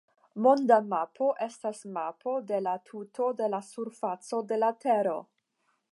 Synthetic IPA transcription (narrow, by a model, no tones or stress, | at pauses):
mo̞ndamapʰo̞ʔe̞stasmapʰo̞de̞latʰutʰo̞de̞lasuɾfat͡so̞de̞latʰe̞ɾo̞̰